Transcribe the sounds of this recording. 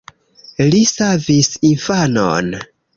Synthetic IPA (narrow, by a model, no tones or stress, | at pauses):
lisavisinfano̰n